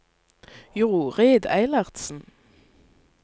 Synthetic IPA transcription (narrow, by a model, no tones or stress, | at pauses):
jʊʁuʁeːd̪æɪlɑʁt̪sn̩